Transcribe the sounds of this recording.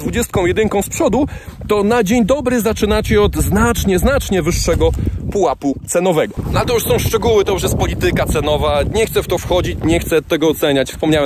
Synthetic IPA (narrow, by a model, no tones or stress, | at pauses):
d̪vud͡ʑɛst̪kɔ̃w̃jɛd̪ɘŋkɔ̃w̃spʂɔd̪ut̪ɔnad͡ʑeɲd̪ɔbɾɘzat͡ʂɘnat͡ɕɛɔd̪znat͡ʂɲɛznat͡ʂɲɛvɘʂːɛɡɔpuwaput̪sɛnɔvɛɡɔnaɛt̪ɔjuʂsɔ̃w̃ʂt͡ʂɛɡuwɘt̪ɔuʂ̬jɛst̪̚pɔlʲit̪ɘkat̪sɛnɔvaɲɛxt̪sɛft̪ɔfxɔd͡ʑit͡ɕɲɛxt̪sɛt̪ɛɡɔːt̪sɛɲat͡ɕfspɔmɲawɛ